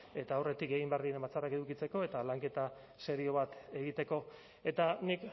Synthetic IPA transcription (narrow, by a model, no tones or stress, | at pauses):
e̞t̪aːwre̞t̪ike̞ɣ̞imbe̞aɾðiembat͡sarake̞ðukit͡se̞ko̞e̞t̪alaŋke̞t̪a | se̞ɾio̞β̞at̪e̞ɣ̞it̪e̞ko̞ | e̞t̪anik